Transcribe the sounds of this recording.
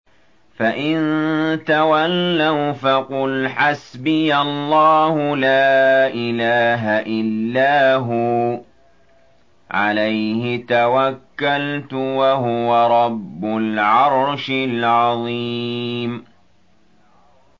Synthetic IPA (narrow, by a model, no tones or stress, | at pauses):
faʔɪnt̪awalːawfaqʊlħasbɪjalˤːɑːhʊlaːʔɪlaːɦaʔɪlːaːɦʊ | ʕa̰lajhɪt̪awakːalt̪ʊwaɦʊwaɾˤɑbːʊlʕɑɾˤʃɪlʕɑðˤiːm